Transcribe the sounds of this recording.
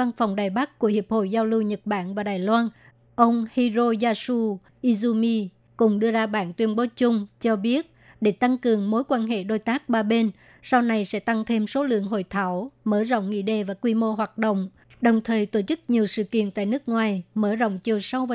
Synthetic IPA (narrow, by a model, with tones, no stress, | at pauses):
va˧nfa˨˩wŋ͡mɗaː˨˩jɓa˦˥k̚ku˧˩əhi˨˩əp̚ho̰˧˨jzaː˧wlɨ˧wɲə˨˩t̚ɓaː˧˥nvaː˨˩ɗaː˨˩jlwaː˧n | ʔə˧wŋ͡mhi˧zo˧zaː˧su˧ | ʔi˧zu˧mi˧ | kʊ̰˨˩ŋ͡mɗɨ˧əzaː˧ɓaː˧˩˨nt̪wi˧ənɓo˨˦t͡ɕʊ˧ŋ͡mt͡ɕɔ˧ɓi˦˥ət̚ | ɗe˧˩t̪a˧ŋkɨ˨˩əŋmo˨˦jkwaː˧nɦḛ˧˨ɗo˧jt̪aː˦˥k̚ɓaː˧ɓe˧n | sa˧wna˧jsɛ̰˧˥t̪a˧ŋt̪ʰe˧mso˨˦lɨ̰˧˨əŋɦo̰˧˨jt̪ʰaː˧˩wməː˧˩zo̰˧˨wŋ͡mŋḭ˧˨ɗe˧˩vaː˨˩kwi˧mo˧ɦwaː˨˩t̚ɗo̰˧˨wŋ͡m | ɗə˨˩wŋ͡mt̪ʰəː˨˩jt̪o˧˩t͡ɕɨ˦˥k̚ɲi˨˩əwsɨ̰˧˨kḭ˧˨ənt̪a̰ː˧˨jnɨ˦˥ək̚ŋwaː˨˩jməː˧˩zo̰˧˨wŋ͡mt͡ɕi˨˩əwsa˧wvaː˨